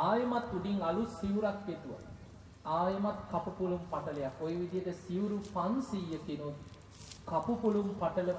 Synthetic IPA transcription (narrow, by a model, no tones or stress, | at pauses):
aːjɐmɐt̪ːuɖiŋɐlusiʋɾakʋet̪ːuʋɐ̰ | aːjɐmɐt̪kɐpupulumpɐʈɐlɐjakojʋid̪ijɐt̪ɐsiʋuɾupɐnsijɐt̪ːinu | kɐpupulumpɐʈɐlɐ